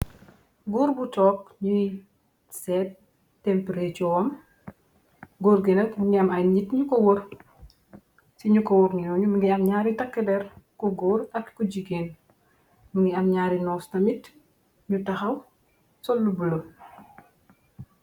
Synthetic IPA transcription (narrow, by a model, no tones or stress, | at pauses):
ɡuːɾbutɔːk̚ɲui | sɛːt | tːɛmpeɾet͡ʃɔwɐm | ɡoːɾɡenɐkmuŋɡiɐmɐjɲitɲukɔwoɾ | siɲukɔwuɾɲiɔɲumuŋɡiɐmɲaːɾitɐkːɛdɛɾkuɡoːɾɐkkuɟiɡeːn | muŋɡiɐmɲaːɾinɔːstɐmit | ɲutɐxɐw | sɔlːubulo